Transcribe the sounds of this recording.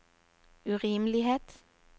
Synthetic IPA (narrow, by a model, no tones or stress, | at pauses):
ʉʁiːmlɪheːt̪